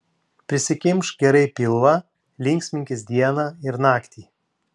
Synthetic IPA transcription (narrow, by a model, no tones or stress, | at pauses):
pʲɾʲɪsʲɪkʲɪmʃɡʲɛɾɐɪpʲɪlˠʋɑ | lʲɪŋʲksʲmʲɪŋʲkʲɪsd̪ʲiɛnɑːɪɾnɑːkt̪ʲiː